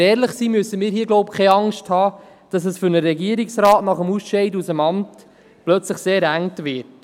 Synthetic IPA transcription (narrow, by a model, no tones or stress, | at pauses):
ɛːɾləχsiːmysəmiːɾɦiːəɡlɔʊp̚kʰɛɑŋʃthɑː | d̥ɑs̬əsfʏɾnəɾɛɡiəɾiksɾɑːtnɑχəmusʃɛɪdusəmɑmt | plœt͡sləχseːɾæŋtʋɪɾt